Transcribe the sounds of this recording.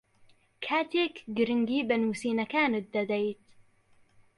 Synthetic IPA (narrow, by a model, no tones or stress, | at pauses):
kʰaːt̪eːkɡɨɾɪŋɡiːbɐnuːsiːnɐkaːnɨt̪̚d̪ɐd̪ɛjt̪